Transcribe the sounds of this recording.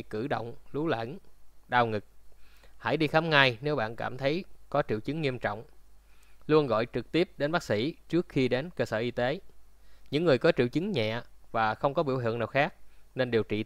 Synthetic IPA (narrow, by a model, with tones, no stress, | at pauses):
kɨ˧˩ɗo̰˧˨wŋ͡mlu˨˦lə̰˧˥˩nɗaː˧wŋɨ˨˩k̚ha̰ː˧˩jɗi˧xaː˨˦mŋaː˧jne˨˦wɓa̰ː˧˨nkaː˧˩mt̪ʰə˨˦jkɔ˨˦t͡ɕḭ˧˨əwt͡ɕɨ˨˦ŋːi˧əmt͡ɕɔ̰˧˨wŋ͡m | lu˧ənɣɔ̰˧˨jt͡ɕɨ˨˩k̚t̪i˦˥əp̚ɗe˨˦nɓaː˦˥k̚sḭ˧˩t͡ɕɨ˦˥ək̚xi˧ɗe˨˦nkəː˧səː˧˩ʔi˧t̪e˨˦ɲɨ̰˧˥ŋːɨ˨˩əjkɔ˨˦t͡ɕḭ˧˨əwt͡ɕɨ˨˦ŋɲɛ̰˧˨əvaː˨˩xə˧wŋ͡mkɔ˨˦ɓḭ˧˥əwɦi˧˨əŋnaː˨˩wxaː˦˥k̚ne˧nɗe˨˩wt͡ɕḭ˧˨